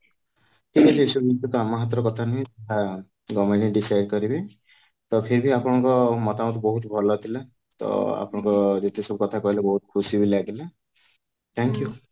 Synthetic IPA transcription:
k̪ielisubit̪ɔt̪ɔamaɦat̪ɾɔkɔt̪ʰaneɦĩteɦa | ɡɔmeɽiɖisajɖkɔɾibi | t̪ɔkʰebʱiapɔɽ̃ɔŋkɔmɔt̪amɔt̪bɔɦut̪bʱɔlɔt̪ʰile | t̪ɔ̰a̰pɔɽ̃ɔ̃ŋkɔd͡ʒet̪ʰisɔbukɔt̪ʰakɔɦilebɔɦut̪ɔ̥kʰusibilaɡile | t̪ʰɛŋkju

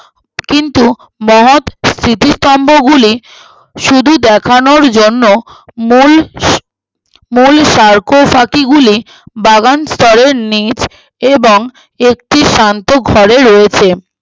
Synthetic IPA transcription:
kint̪u | mɔɦot̪st̪ʰɾit̪ist̪ɔmbʱoɡuli | ʃud̪ʱud̪ɛkʰanoɾd͡ʑonːomul | mulʃaɾkofakiɡuli | baɡanst̪ʰɔɾeɾnit͡ɕ | eboŋ | ek̚ʈiʃant̪oɡʱɔɾeɾoet͡ɕʰe

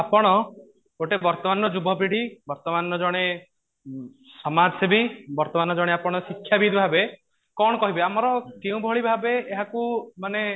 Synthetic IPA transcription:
apɔɽ̃ɔ | oʈebɔɾt̪ɔmanɔd͡ʒubʱɔpɾiɽ̤ibɔɾt̪ɔmanːɔd͡ʒɔɽ̃e | sɔmad͡ʒɔsebibɔɾt̪ɔmanɔd͡ʒɔɽeapɔɽ̃ɔsikʰjabid̪bʱabe | kɔɽ̃ɔkɔɦibeamɔɾɔkeũbʱɔɭibʱabeːɦakumane

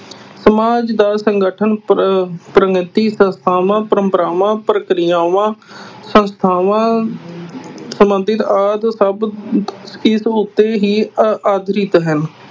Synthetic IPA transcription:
səmaːd͡ʒd̪aːsəŋɡəʈʰən | pɾəɡɪt̪iːsə̃nst̪ʰaːʋãːpɾəmpəɾaːʋãːpɾəkɾɪjãːʋãːsə̃nst̪ʰaːʋãː | səmənd̪ɪt̪aːd̪səbskɪsʊt̪ːeːɦiːaːd̪ɾɪt̪ɦən

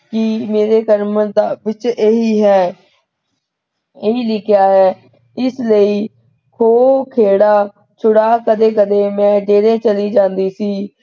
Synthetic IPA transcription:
kɪmeːɾeːkəɾməd̪aːʋɪt͡ʃeːɦiːɦɛː | eiːlɪkʰɪjaːɦɛː | ɪsləiː | kʰoːkʰeːɽaː | t͡ʃʰʊɽaːkəd̪eːkəd̪eːmɛ̃ːɖeːɾẽːt͡ʃəliːd͡ʒãːnd̪iːsiː

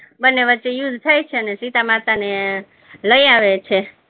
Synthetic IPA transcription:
bənːeʋətːʃejud̪ʱt̪ʰajt͡ʃʰeənesit̪amat̪ane | ləjaʋet͡ʃʰe

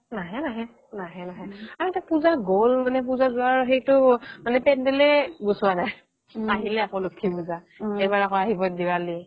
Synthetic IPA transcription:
naɦɛnaɦɛ | naɦɛnaɦɛamtapuzaɡolmanɛp̬uzazʊaɹxejtʊmanɛpɛndɛlɛbosʊwanaj | aɦilɛakolokʰːipuza | ɛjbaɹakɔaɦibɔdiwali

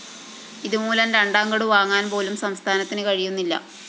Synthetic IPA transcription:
iðumuːlɐnɾɐɳɖaːŋɡɐɽuʋaːŋːaːnpo̞ːlumsɐmst̪ʰaːnɐt̪ːinɨkɐɻijunːilːɐ̰

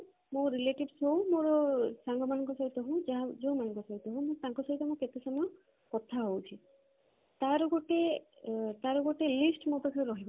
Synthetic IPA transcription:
moɾileʈibsowmoɹɔsaŋɡɔmanɔŋkɔsaɹit̪ɔɦõd͡ʒaɦazomanɔ̃ŋkɔsaɾit̪ɔɦõmõt̪ãŋkɔsɔɹit̪ɔmõket̪esɔmɔ | kɔt̪ʰaɦowt͡ʃʰi | t̪aɾɔɡɔʈe | t̪aɾɔɡɔʈelisʈmopakʰaɾɾɔɦibɔ

